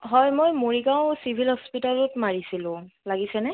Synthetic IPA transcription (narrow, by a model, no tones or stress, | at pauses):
ɦɔjmojmoɹiɡaʊ̃sibʱilhɔspitalʊtmaɹisilʊ̃laɡisɛnɛ